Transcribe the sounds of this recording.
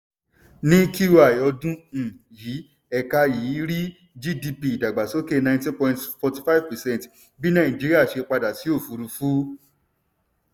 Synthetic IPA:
nĩ˦ki˦wa˦˨jɔ˧dũ˦˨ji˨˦ | ɛ˧ka˧ji˨˦ɾi˦ | d͡ʒi˦di˧pi˧˨da˨ɡ͡ba˨so˦ke˦˧nã˧˦ntĩ˦pɔ̃˧ĩntfɔ˧ti˧fa˦i˦vpɛ˨sɛ̃˦˨n˨t | bi˦nã˦˨d͡ʒi˦ɾi˦a˦˨ʃe˧k͡pa˧da˨ti˨˦o˦˨fu˨˧ɾu˧fu˦

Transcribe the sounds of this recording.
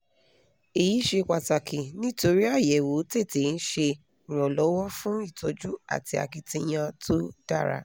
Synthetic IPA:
i˨ji˨˦ʃe˧kʷa˨ta˨kʰi˨nĩ˦to˧ɾi˦a˦˨jɛ˨wo˨˦te˦˨te˨˦n̩˦ʃe˧˨ | ɾ̃ɔ̃˨lɔ˨˦wɔ˦fũ˦i˦˨to˧d͡ʒu˦a̰˨ti˧a̰˧ki˧tĩ˧j̃ã˧tʰo˦d̥a̰˦˨ɾa̰˨˧˨

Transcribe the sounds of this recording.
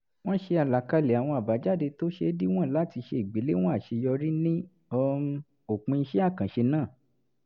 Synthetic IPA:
w̃ɔ̃˦ʃe˧a˨la˨ka˧le˨a˨w̃ɔ̃˧a˨ba˨˦d͡ʒa˦˨de˧to˦ʃe˧˦di˦w̃ɔ̃˦˨la˨˦ti˧ʃe˧i˨ɡ͡be˨˦le˦w̃ɔ̃˦a˦˨ʃe˧jɔ˧ɾi˦nĩ˦ | ɔ˧ | o˨k͡pũ˧i˧˦ʃɛ˦a˦˨kã˨ʃe˧nãː˦˨

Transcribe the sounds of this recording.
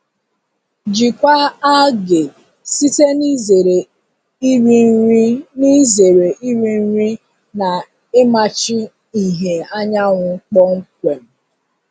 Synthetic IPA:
d͡ʒi˨kʷa˦a˦ɡe˨ | si˦te˦ni˦ze˨ɾe˨ | i˦ɾi˦i˦ni˦ze˨ɾe˨ʔi˦ɾi˦n̩˦ɾi˦ | na˨ | e˦ma˨t͡ʃi˦ | i˨ɦe˨a˦ɲa˦ŋʷʊ˨ŋ̩˦k͡pɔ˦ŋ̩˦kʷe˨m̩˨

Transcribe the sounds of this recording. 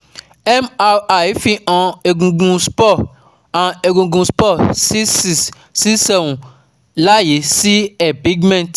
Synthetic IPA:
ɛ˦ma˧a˨jfi˧ʔã˨e˧ɡũ˧ɡũ˧spɔ˦˨ | ã˨e˧ɡũ˧ɡũ˧spɔ˦˨si˦si˨ | si˦sɛ˨wũ˨ | la˦je˨˦si˦ɛ˨pi˨˦ɡmɛ̃˦˨t

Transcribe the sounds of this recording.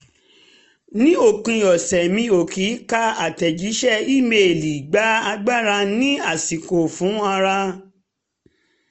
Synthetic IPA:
nĩ˦o˦˨kũ˧jɔ˨sɛ˨mĩ˧˦o˨ki˨˦ka˦a˨tɛ˨d͡ʒi˨˦ʃɛ˦˨i˦˨me˨li˨ɡ͡ba˨˦a˧ɡ͡ba˦˨ɾa˧nĩ˦a˦˨si˨ko˨fũ˨˦a˧ɾa˧

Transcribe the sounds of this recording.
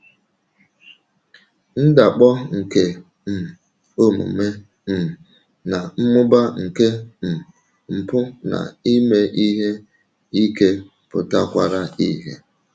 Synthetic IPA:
n̩˦da˨k͡pɔ˦ŋ̩˨ke˨ | m̩˨ | o˦mṵ˨me˦ | m̩˨ | na˨m̩˦mʊ˦ba˦ŋ̩˨ke˦m̩˨ | m̩˨pʊ˦na̰˨i˦me˨ʔi˦ɦe˦ | i˦ke˦ | pʊ̰˨ta˦kʷa̰˨ɾa˦i˦ɦe˦

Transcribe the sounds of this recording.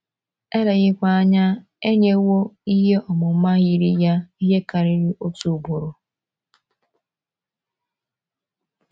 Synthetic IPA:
e˦ɾe˨ɣɪ˦kʷa˦a˦ɲa˦ | e˦ɲe˦wo˦i˦ɦe˦ʔɔ˨mʊ˨˦ma˦ɣi˨ɾi˦ja˦i˦ɦe˦ka˨ɾɪ˦ɾɪ˦o˦tu˨bo˨ɾʊ˨

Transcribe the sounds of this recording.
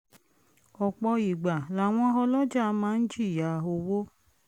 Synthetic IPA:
ɔ˨k͡pɔ˧i˨ɡ͡ba˨la˨w̃ɔ̃˧˦ɦɔ˧lɔ˦d͡ʒa˦˨˧mãː˦n̩˦d͡ʒi˦˨ja˨o˧wo˦

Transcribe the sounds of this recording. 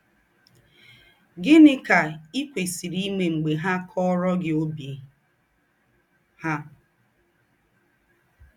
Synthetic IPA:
ɡɪ˦nɪ˦ka˨i˦kʷe˨si˨ɾi˦me˨ŋ͡m̩˨ɡ͡be˨ɦa˦kʰɔ˦ɾɔ˦ɡɪ˨o˦bje˨ | ha˦

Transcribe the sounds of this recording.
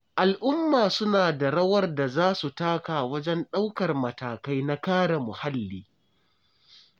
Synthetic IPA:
ʔa˨lʔʊ˦mːaː˨sʊ˦naː˨da˨ɽɐ˦wɐ˦rda˨zaː˦su˨taː˦kaː˨wɐ˦d͡ʒɛ˦nɗa˦wkɐ˨rmɐ˨taː˨ka˦jna˦kaː˦ɽa˨mʊ˨ha˦lːiː˦

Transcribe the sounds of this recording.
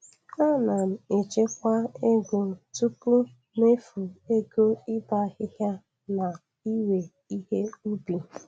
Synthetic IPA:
a˦na˨m̩˨e˨t͡ʃe˦kʷa˦e˦ɡo˨tu˦pu˦ | ne˦fu˨e˦ɡo˦ɪ˦ba˦ɣɪ˦ɣja˦ | na˨ | i˦we˨ | i˦ɦe˦u˦bi˨

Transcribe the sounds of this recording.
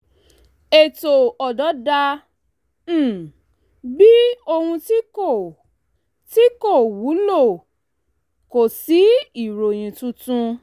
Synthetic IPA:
e˨to˨ɔ˨dɔ˨˦da˧˦˨ | bi˦o˧hũ˧ti˦ko˦˨ | ti˦ko˦˨wu˨˦lo˦˨ | ko˨si˨˦i˨ɾo˨j̃ĩ˨tũ˦tũ˦

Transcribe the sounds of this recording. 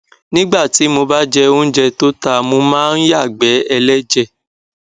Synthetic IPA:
nĩ˦ɡ͡ba˦˨ti˨˦mo˧ba˦d͡ʒɛ˧o˦n̩˦d͡ʒɛ˧to˦ta˧˨mo˧mãː˦n̩˦ja˦˨ɡ͡bɛ˨˦ɛ˧lɛ˦d͡ʒɛ˦˨

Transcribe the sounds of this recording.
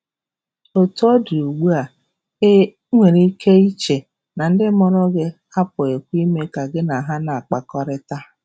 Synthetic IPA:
o˨tu˦o˦di˨u˨ɡ͡bu˦a˨ | e˦ | ŋʷe˨ɾi˦kʰe˦i˦t͡ʃe˨ | na˨n̩˦dɪ˦mɔ˦ɾʊ˦ɡɪ˦ | a˦pʊ˨e˨kʷi˦me˦ka˨ɡɪ˦na˨ɦa˦na˨a˨k͡pa˨kɔ˦ɾɪ˦ta˦

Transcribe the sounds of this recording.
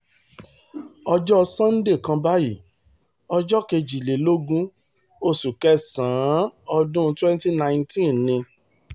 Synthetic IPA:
ɔ˧d͡ʒɔ˦˧sã˦n̩˦de˦˨kã˧ba˦ji˦˨ | ɔ˧d͡ʒɔ˦ke˧d͡ʒi˨le˨˦lo˦ɡũ˦ | o˦˨su˨kɛ˦sãː˨˦ɔ˧dũ˦twɛ̃˦n˦ti˦nã˧j̃tĩ˦nnĩ˧

